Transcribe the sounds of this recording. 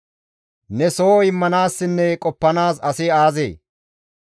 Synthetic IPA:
nɛsoːɪmːɐnaːsːɪnːɛkʼɔpːɐnaːsɐsɪaːzḛː

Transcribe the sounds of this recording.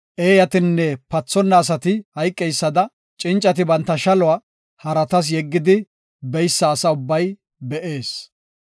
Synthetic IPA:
ʔeːjɐt̪ɪnːɛpɐt͡sːɔnːɐːs̬ɐt̪ɪhɐjkʼːɛjsːɐd̪ɐ | t͡ʃʼɪnt͡ʃʼːɐt̪̬ɪbɐnt̪ːɐʃɐlʊa | hɐɾɐt̪ɐs̬jɛɡːɪd̪ɪ | bɛjsːɐːsɐʊbːɐj | bɛʔe̞ːs

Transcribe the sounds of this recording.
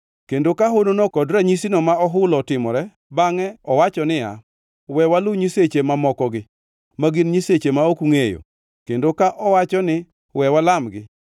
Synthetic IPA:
kendokaɦononokɔdɾaɲisinɔmaɔɦʊlɔtɪmɔɾɛ | baŋɛɔwat͡ʃɔnɪa̰ | wɛwalʊɲiset͡ʃemamɔkɔɡɪ | maɡinɲiset͡ʃemaokuŋejo̰ | kendokaʔɔwat͡ʃɔnɪ | wɛwalamɡɪ

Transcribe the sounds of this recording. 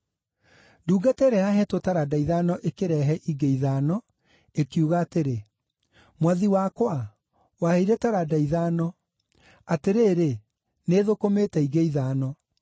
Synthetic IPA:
nduːɡatɛɾɛjaɦɛtotaɾadaiðaːnɔʔekeɾɛɦɛʔiɡeiðaːnɔ | ekiuɣaːteɾe | mwaðiwakwa | waheiɾɛtaɾadaiðaːnɔ | ateɾeːɾe | neːðokometɛiɡeiðaːnɔ

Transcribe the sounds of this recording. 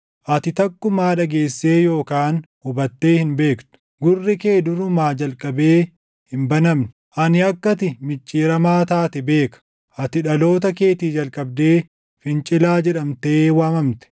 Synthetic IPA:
ʔɐt̪ɪt̪ɐkːʊmaːᶑɐɡe̞ːsːe̞ːjo̞ːkaːnhʊbɐt̪ːe̞ːhɪnbe̞ːkt̪ʊ̥ | ɡʊrːɪke̞ːd̪ʊɾʊmaːd͡ʒɐlkʼɐbe̞ː | hɪnbɐnɐmnɪ̥ | ʔɐnɪɐkːɐt̪ɪmɪt͡ʃʼːiːɾɐmaːt̪aːt̪ɛbe̞ːkɐ̥ | ʔɐt̪ɪᶑɐlo̞ːt̪̬ɐke̞ːt̪iːd͡ʒɐlkʼɐb̚d̪eː | fɪnt͡ʃʼɪlaːd͡ʒɛᶑɐmt̪e̞ːwaːmɐmt̪ɛ̥

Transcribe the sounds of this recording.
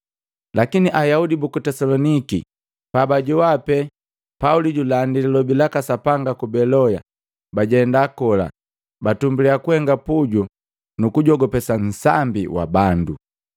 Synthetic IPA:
lakiniʔajaudibukutɛsalɔniki | pabaɟuwapɛ | pauliɟulandililɔbilakasapaŋɡakubɛlɔja | baɟɛndakɔla̰ | batumbuliakuhɛŋɡapuɟu | nukuɟɔɡɔpɛsan̩sambiwa̰bandṵ

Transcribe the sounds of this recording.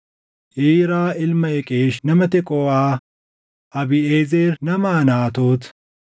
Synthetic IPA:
ʔiːɾaːʔɪlmɐɛkʼeːʃnɐmɐt̪ɛkʼɔwaː | ʔɐbɪeːzeːɾnɐmaːnaːt̪oːt̪

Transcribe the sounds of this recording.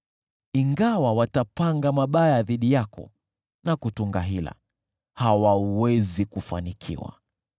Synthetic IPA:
iŋɡawawatapaŋɡamaɓajaðiɗijakɔ̰ | nakutuŋɡaɦila̰ | hawawɛzikufa̰nikʰḭwa̰

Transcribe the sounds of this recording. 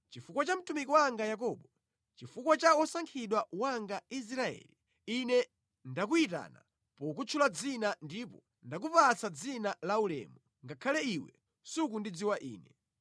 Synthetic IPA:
t͡ʃifukwat͡ʃam̩tumikiwaŋɡajak̬ɔɓɔ | t͡ʃifukwat͡ʃaɔsaŋkʰiɗwawaŋɡais̬ɾaɛ̰li | inɛ | ndak̬uita̰ːna̰ | pɔk̬ut͡ʃʰulad͡zinandipɔ | ndak̬upat͡sʰad͡zinalaulɛ̰mɔ | ŋɡakʰalɛiwɛ̰ | sukundid͡ziwaʔḭːnɛ

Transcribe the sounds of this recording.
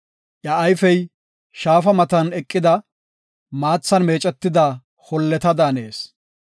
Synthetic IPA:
ʔjɐːjfɛj | ʃaːfɐmɐt̪ɐnɛkʼːɪd̪ɐ | maːt͡sːɐnme̞ːt͡ʃʼɛt̪ːɪd̪ɐ | hɔlːɛt̪ɐd̪aːne̞ːs

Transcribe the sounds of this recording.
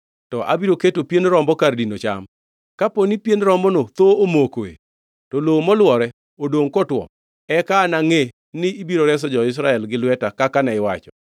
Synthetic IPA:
tɔʔa̰biɾoketopjenɾɔmbɔkardinot͡ʃa̰m | kaponipjenɾɔmbɔnot̪oomokoḛ | tɔlomɔlwɔɾɛ | odoŋkɔtwɔ̰ | ɛkaːnaŋe | nɪibiɾoɾɛs̬ɔd͡ʒɔɪs̬ɾaɛlɡɪlwɛtakakanaɪwa̰t͡ʃɔ̥

